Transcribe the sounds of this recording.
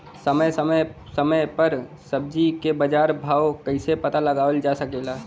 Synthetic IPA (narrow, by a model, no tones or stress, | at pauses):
səməjsəməsəməjpəɾsəb̚d͡ʒikebəd͡ʒaːɾbʱaːwkəɪsepət̪aləɡaːʋəld͡ʒasəkelaː